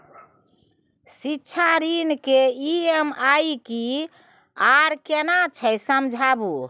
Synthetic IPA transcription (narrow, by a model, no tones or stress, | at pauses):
sitːʃʰaɾinkeiemajki | aɾkenat͡ʃʰəjsəmd͡ʒʱabu